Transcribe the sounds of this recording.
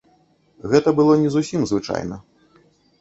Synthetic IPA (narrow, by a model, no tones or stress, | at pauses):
ɣɛt̪ɐbɨlˠɔnʲɛzusʲimzvɨt͡ʂa̰jnɐ